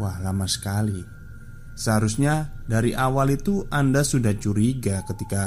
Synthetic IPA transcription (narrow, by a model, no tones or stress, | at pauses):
wahlamasə̥kali | səɦaɾusɲadaɾiʔawalit̪uʔandasudaht͡ʃuɾiɡakət̪ika